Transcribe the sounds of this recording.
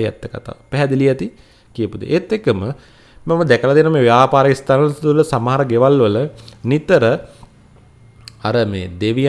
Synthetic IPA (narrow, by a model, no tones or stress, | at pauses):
jɛ̰t̪ːəka̰t̪a̰ːʋpɛɦɛd̪ilijɛt̪i | kijəpud̪ḛʔet̪ːekːəmə | mɐməd̪ɛkəlat̪ijənomeːʋjaːpaːɾəist̪anət̪uləsamɐɦaɾəɡeʋalʋələnit̪əɾə | aɾəmḛːd̪eʋij